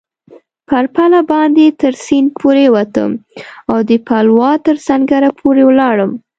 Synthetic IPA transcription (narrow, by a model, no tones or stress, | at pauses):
paɾpalabɑnd̪et̪əɾsinpʰoɾewat̪ə̰mawd̪əpalwɑt̪əɾsaŋɡaɾapʰoɾewlɑɽəm